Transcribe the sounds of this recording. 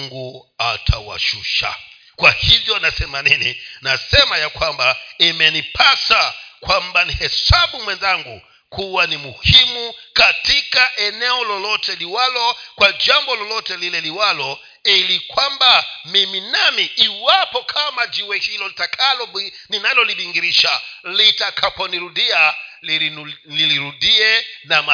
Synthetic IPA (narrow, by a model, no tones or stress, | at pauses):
ŋɡua̰tʰa̰wa̰ʃṵʃa̰ | kwahivjɔnasɛmaninḭnasɛmajakwambaimɛnipʰasakwambanihɛsaɓumwɛnzaŋɡṵ | kʰuwanimuhimukatikaʔɛnɛɔlɔlɔtɛliwalɔkwad͡ʒambɔlɔlɔtɛlilɛliwalɔ | ilikwambamiminamiːwapɔkʰamad͡ʒiwɛhilɔlitakʰalɔninalɔliɓiŋɡiɾiʃalitakʰapɔniɾudia | niliɾudiɛnama